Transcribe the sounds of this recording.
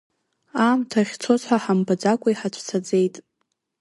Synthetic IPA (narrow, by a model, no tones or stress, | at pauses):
aːmtʰaʁʲt͡sʰo̞t͡sħʷaħambad͡zakʷʼaiħat͡ʃʷʰt͡sʰad͡ze̞jtʼ